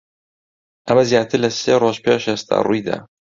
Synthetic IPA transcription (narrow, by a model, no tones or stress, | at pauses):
ʔɐmɐzjaːt̪ʰɨɾlɐseːroʒpʰeʃhest̪ʰa̰ːrujd̪a̰ː